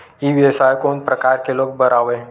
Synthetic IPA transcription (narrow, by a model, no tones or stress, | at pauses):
iʋjəʃajkonpɾəkaɾkelok̚bəɾaʋe